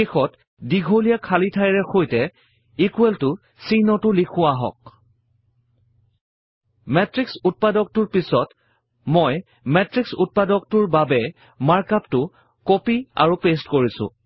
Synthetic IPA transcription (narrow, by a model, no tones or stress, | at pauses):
xɔt | diɡʱolijakʰalitʰajɹɛxojtɛ | ikueltʊ | sinɔtʊlikʰʊaɦɔ̰k̚ | mɛtɹiksut̚padɔk̚tʊɹpisɔt | moj | mɛtɹiksut̚padɔk̚tʊɹbabɛ | maɹkaptʊ | kopia̰ɹupestkoɹisʊ̰̃